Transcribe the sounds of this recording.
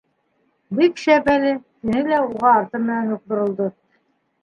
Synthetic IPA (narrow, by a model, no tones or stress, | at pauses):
bikʃæpælɘt̪ɘ̆nɘlæuʁɑːɾt̪ɤmɘ̆nænuq̚t̪ŏɾŏlˠd̪ɤ